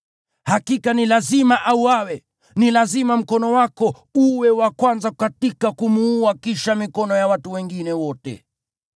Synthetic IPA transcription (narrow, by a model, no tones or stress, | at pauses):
hakikanilazimaʔauwawɛ | nilazimam̩kɔnɔwakɔ | uwɛwakwanzakkatikakumuuakiʃamikɔnɔjawatuwɛŋɡinɛwɔtɛ̰